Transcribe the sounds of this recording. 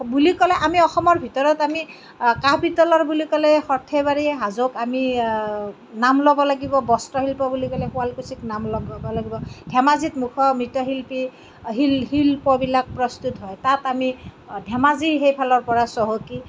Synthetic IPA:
bulikɔlɛʔamiɔxɔmɔɹbʱitɔɹɔtami | kapitɔlɔɹbulikɔlɛxɔtʰeβaɹiɦazokami | namlɔbɔlaɡibɔbɔstɔɦilpɔbulikɔlɛxualkusiknamlɔɡbɔlaɡibɔdʱɛmazitmukʰɔmitɔɦilpi | ɦilɦilpɔbilak̚pɹɔst̪utɦɔjtatamidʱɛmaziɦejpʰalɔɹpɔɹasɔɦoki

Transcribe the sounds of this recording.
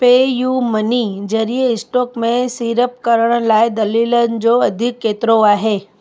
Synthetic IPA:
peːjuːmənid͡ʑɐɾieɪsʈoːkmẽsiːɾəp̚kəɾəɽ̃əlaːjd̪ɐlilən̆d͡ʑoːɐd̪ʱɪkːeːt̪ɾoaːɦeː

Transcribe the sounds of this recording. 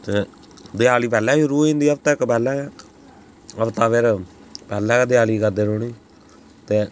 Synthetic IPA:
t̪eː | d̪ɪjaːliːpɛːlɛ̃ːɾuːĩːnd̪iːəb̚t̪akpɛːlːɛ | əbt̪aːpeːɾpɛːlːɛːkːd̪ɪjaːliːkəɾd̪eːɾoːniː | t̪eː

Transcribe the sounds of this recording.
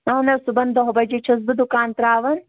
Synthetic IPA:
ɐɦɐnɐsubɐnd̪ɐɦɐbɐd͡ʒet͡ʃʰɐz̬bɨd̪ukaːnt̪ɾaːʋɐn

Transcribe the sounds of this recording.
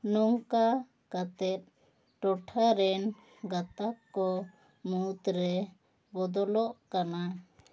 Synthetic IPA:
nɔŋka | kat̪ɛt̪̚ | ʈɔʈʰaɾɛn | ɡat̪akːɔ | mut̪ɾɛ | bɔd̪ɔlɔʔkana

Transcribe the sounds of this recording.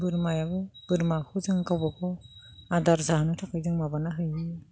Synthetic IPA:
bɯɾmajaβɯb̥ɯɾmakʰɯzɯŋkawbakʰɔ | adaɾzaɦanɯtʰakʰɯjzɯŋmabanaɦɯjɯ

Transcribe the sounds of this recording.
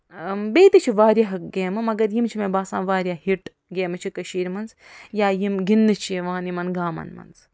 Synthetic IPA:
beːt̪it͡ʃʰiʋaːɾʲjaɦɡeːmɨmɐɡɐɾjimt͡ʃʰimẽbaːsãːnʋaːɾʲjaːhiʈ | ɡeːmɨt͡ʃʰikɐʃiːɾmɐnz | jaːjimɡinːɨt͡ʃʰieʋãːnimɐnɡaːmɐ̰nmɐ̰nz

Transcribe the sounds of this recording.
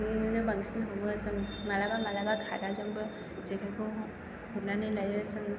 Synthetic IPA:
ŋnɯbaŋsinɯɦɯmɯsɯŋmalabamalabakʰa̰ɾazɯmbɯ | zekʰajkʰɔw | hunanɯjlajɯsɯŋ

